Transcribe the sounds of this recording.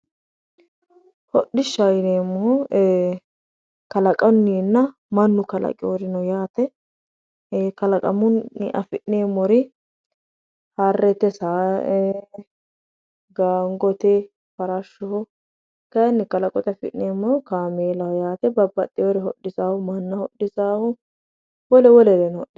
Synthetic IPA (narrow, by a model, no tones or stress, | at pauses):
hɔɗɪʃːajneːmːɔ | kɐlɐkʼɐnːiːnːɐ | mɐnːʊkɐlɐ̰kʼɪjoɾɪnɔjaːt̪ɛ | kɐlɐkʼɐmʊnːɪ̰ʔɐ̰fɪʔneːmːɔɾɪ | harːɛt̪ɛsaː | ɡaːŋɡɔt̪ɛ | fɐɾɐʃːʊhʊ | kɐjɐnːɪkɐlɐkʼɔt̪ɛɐfɪ̰ʔneːmːɔhʊkaːmeːlɐhʊjaːt̪ɛbɐbːɐt̪ʼːɪjɔɾɪɦɔɗːɪsaːhʊmɐnːɐhɔɗːɪsaːhʊ | wɔlɛwɔlɛɾɛnɔhɔɗɪs